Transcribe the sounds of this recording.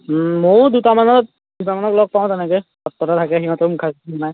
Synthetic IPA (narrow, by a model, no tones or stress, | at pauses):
mod̪utamanɔ | dutamanɔklɔɡ̚paʊ̃t̪ɛnɛkɛsɔtːɔɾat̪ʰakɛɦimat̪omukʰasitɔnaj